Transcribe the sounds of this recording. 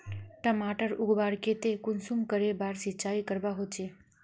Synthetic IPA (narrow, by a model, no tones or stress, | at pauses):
ʈəmaʈəɾuɡbaɾket̪ekunsumkəɾebaːɾsitːt͡ʃaːikəɾbaɦot͡ʃe